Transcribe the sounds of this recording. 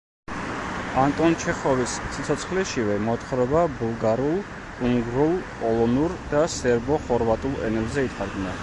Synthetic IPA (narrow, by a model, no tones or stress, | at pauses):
ant̪ʼɔnt͡ʃʰɛχɔvisːit̪sʰɔt̪sʰχliʃivɛmɔt̪ʰχɾɔbabulˠɡaɾulˠ | kʼuŋɡɾulˠpʼɔlˠɔnuɾd̪̥asɛɾbɔχɔɾvat̪ʼulˠɛ̰nɛlˠzɛit̪ʰaɾɡna